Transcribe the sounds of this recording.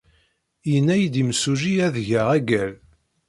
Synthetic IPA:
jənːæjd̪imsuʒiæðʝæʁæɡæl

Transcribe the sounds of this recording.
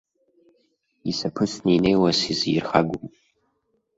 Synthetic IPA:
isɐpʰɨʃnɨinejwɐsizijɪrχaɡʷʊm

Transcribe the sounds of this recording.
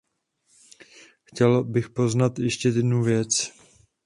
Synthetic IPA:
xcɛlbɪxpo̞znat̪jɛʃcɛjɛdnuvjɛt͡s

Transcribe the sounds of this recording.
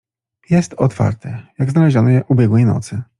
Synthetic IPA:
jɛst̪ɔt̪fa̰ɾt̪ʰɛjaɡznalɛʑɔnɔʔubʲjɛɡwɛjnɔ̰t̪sɘ

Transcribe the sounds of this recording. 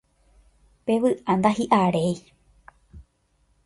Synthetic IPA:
pe̞ʋɨʔand̪ahiʔaɾe̞j

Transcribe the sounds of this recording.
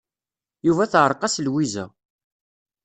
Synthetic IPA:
juvæθʕəɾˤqɑslwizæ̰

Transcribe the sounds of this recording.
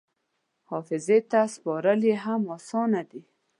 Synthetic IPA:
hɔfɪzet̪aspɔɾəleɦamɔsɑnad̪i

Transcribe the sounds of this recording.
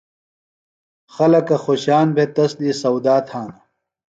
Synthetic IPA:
xɐlɐkɐxoɕaːnbʱet̪ɐsd̪iːsɐwd̪aːt̪ʰhaːnɐ

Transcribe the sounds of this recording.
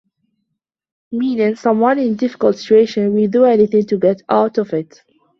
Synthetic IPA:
mĩːnɪ̃ŋsʌ̃mwʌ̃nɪ̃ndɪfɪ̥kəlˠtsɪ̥t͡ʃueɪʃɨ̃nwiduɛniθɪ̃ŋtuɡɛtaʊtɔvɪt

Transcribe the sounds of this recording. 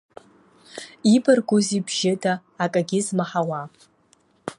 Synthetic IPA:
ibarɡʷʊzibʒɪdaː | kʼaɡʲɪzmaħawa

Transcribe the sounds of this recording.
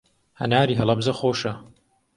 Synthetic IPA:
hɐ̰naːɾiːɦɐlˠɐbzɐxoːʃɐ

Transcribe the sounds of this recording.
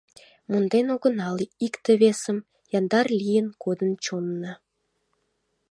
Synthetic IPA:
mund̪enoɣə̆nɑliikt̪əβesəm | jɑnd̪ɑrlʲijənkod̪ənt͡ɕonːə

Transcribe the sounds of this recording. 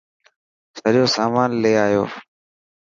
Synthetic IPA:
səɗjoːsaːmaːnleːaːjo̰ː

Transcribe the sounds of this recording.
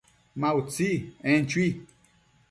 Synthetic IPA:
mãut͡siẽnt͡ʃwi

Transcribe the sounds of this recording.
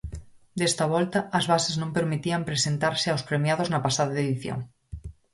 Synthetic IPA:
d̪est̪ɐβ̞ɔlt̪ɐːzβaseznõmpeɾmit̪iampɾesent̪aɾseawspɾemjaðoznɐpasaðaeðiθjo̰ŋ

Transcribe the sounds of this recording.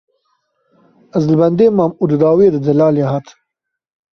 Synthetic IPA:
azlbɐnd̪eːmaːmud̪d̪ɑːweːd̪əd̪ɐlɑːleɦat̪

